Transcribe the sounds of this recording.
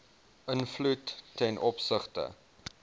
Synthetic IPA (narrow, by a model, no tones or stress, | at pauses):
ʔənflutːɛnʔɔpsəχtə̰